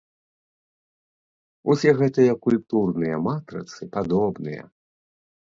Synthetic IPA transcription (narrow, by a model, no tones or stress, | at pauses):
usʲɛɣɛt̪ɨjɐkulʲp̚t̪urnɨjɐmat̪ɾɐ̰t̪sɨpad̪ɔbnɨjɐ̰